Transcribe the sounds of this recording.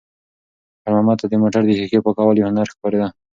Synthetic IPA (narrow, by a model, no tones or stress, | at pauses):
aɾmamɑt̪ad̪əmoʈaɾd̪əhikepəkɑwaljahanaɾxpɑɾed̪a